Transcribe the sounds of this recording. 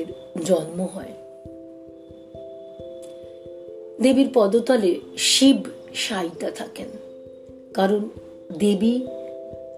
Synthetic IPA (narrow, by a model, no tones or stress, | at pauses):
ɾ | d͡ʑɔnmoɦɔe | d̪ebiɾpɔd̪ot̪aleɾʃib | ʃajt̪at̪ʰaken | kaɾon | d̪ebi